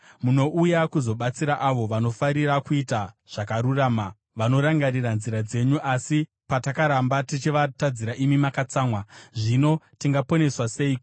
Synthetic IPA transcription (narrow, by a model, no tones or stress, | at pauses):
muno̞ʔujakuzo̞ɓat͡siɾaʔaʋo̞ʋano̞faɾirakuitaʐ̥akaɾuraːma | ʋano̞ɾaŋɡaɾiranziɾad͡ze̞ɲuʔasi | patakaɾambatit͡ʃiʋatad͡ziɾaʔimimakat͡saːmwaʐino̞tiŋɡapo̞ne̞swase̞i